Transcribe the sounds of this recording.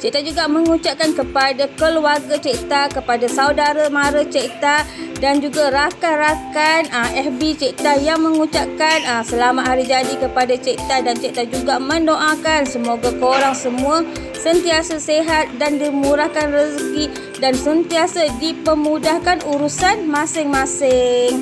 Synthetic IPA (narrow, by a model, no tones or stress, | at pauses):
t͡ʃeʔt̪ad͡ʒuɡamə̃ŋũt͡ʃaʔkankəpadakəluarɡat͡ʃeʔt̪akəpadasaudaɾamãɾat͡ʃeʔt̪adand͡ʒuɡaɾakanrakanəɛhbit͡ʃeʔt̪ajaŋmə̃ŋut͡ʃaʔkanəsəlamatʔ̪ɦaɾid͡ʒadikəpadat͡ʃɛʔt̪adant͡ʃɛʔt̪ad͡ʒuɡamə̃ndoʔakansəmoɡakoɾaŋsəmũa | sənt̪iasaseɦat̪̚dandimuɾahkanrəski | dansənt̪iasadipəmudahkanuɾusanmãsɪŋmãsɪŋ